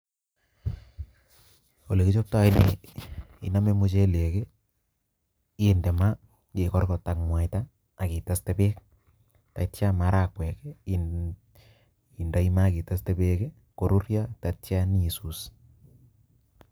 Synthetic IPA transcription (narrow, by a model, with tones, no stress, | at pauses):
o˨le˨ki˦t͡ʃo˦p̚ta˦i˦ne˨ | ḭ˨na˦me˦mu˦t͡ʃe˦le˨ke˦ | e˦nde˨ma˦ | ke˨kɔ˦rkɔ˨ta˨kmwa˨ɪtaː˦˨ | ki˨ta˦ste˦pe˦k | ta˨tja˦ma˦ɾa˨kwɛ˨ke˦ | i˨nda˦i˦ma˦˨ki˨ta˦ste˦pe˦ke˦ | ko˨ɾu˦rja˦ta˨tja˦ni˦su˨s